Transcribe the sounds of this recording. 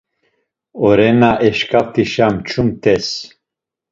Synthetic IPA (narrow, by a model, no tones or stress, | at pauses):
ɔɾɛnaʔɛʃkʰavt̪ʰiʃamt͡ʃʰumt̪ʰɛs